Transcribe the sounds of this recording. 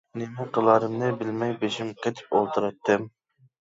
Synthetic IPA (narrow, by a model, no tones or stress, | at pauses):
nɪmɪqəlˠɑɾɨmnɨbɪlmɛjbeʃimqʰet̪ʰɪ̥polˠt̪ʰɨɾɨt̪ːɨm